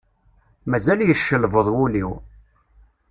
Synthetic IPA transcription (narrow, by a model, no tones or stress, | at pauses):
mæzæljəʃːəlvəðˤwuliw